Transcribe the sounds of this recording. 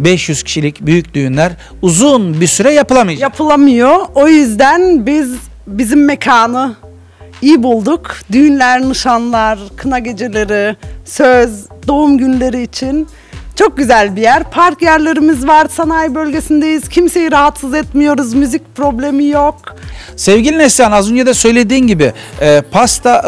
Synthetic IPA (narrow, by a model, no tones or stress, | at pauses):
bɛʃjyz̥cʰi̥ʃilʲicbyjyc̚d̪yjynlʲæɾ | uzunbisyɾɛjapɯlˠamajjapʰɯlˠamɯjo̞o̞jyzd̪ænbiz | bizimːe̞cʰaːnɯ | ijibulˠd̪ukd̪yjnlʲæɾnɯʃanlˠaɾkʰɯnaɟe̞d͡ʒelʲeɾisøzd̪o̞umɟynlʲe̞ɾiːt͡ʃʰin | t͡ʃʰo̞k̚ɟyzælʲbijæɾpʰaɾkjæɾlʲe̞ɾimizvaɾsanajbø̞lʲɟe̞sind̪ejiz̥cʰimse̞jiɾaɦat̪sɯzɛt̪mijo̞ɾuzmyzic̚pɾo̞blʲe̞mijo̞k | sɛvɟilʲinɛslʲanazønd͡ʒad̪ɛsø̞jlʲe̞d̪iːnɟibɪɛːpʰast̪ʰa